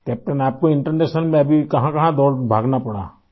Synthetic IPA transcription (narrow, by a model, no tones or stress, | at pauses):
kɛːp̚ʈənaːp̚koɪ̃ɳʈəɾneːʃənmẽɐbʱikɐɦãkɐɦãd̪ɔːlbʱaːɡnapɐɽa̰ː